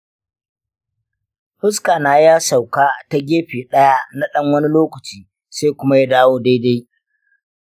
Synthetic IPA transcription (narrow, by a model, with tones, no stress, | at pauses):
hʊ˦skaː˨naː˨jaː˦sa˨wkaː˦ta˦ɡʲeː˦ɸiː˨ɗɐ˦ja˦na˦ɗɐ˦ŋwɐ˦ni˦loː˦kɐ˨t͡ʃiː˨ | saː˦kʷʊ˦ma˦ja˦daː˦woː˦da˦jda˦j